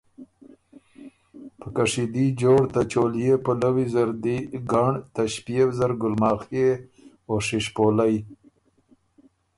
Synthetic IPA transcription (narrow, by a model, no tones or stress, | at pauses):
pəkaʂid̪id͡ʒoɽt̪at͡ʃolijepəlawizaɾd̪iɡaɳt̪aʃpijewzaɾɡʊlmɑːxe | oʂiʂpolaj